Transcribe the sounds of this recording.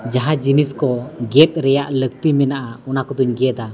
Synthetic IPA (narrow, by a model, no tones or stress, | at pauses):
d͡ʒaɦad͡ʒiniskɔɡɛt̪̚ɾɛjaʔlək̚t̪imɛnaʔaɔnakɔd̪uɲɡɛd̪a